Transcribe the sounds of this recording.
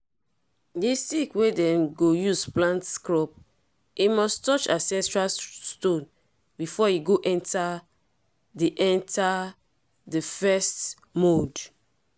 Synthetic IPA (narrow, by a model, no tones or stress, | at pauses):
distikwedɛ̃nɡojusplãntskɹɔp | imɔstɔt͡ʃasɛ̃tɹastõn | bifɔiɡoʔɛ̃nta | diʔɛ̃nta | dəfɛst | mod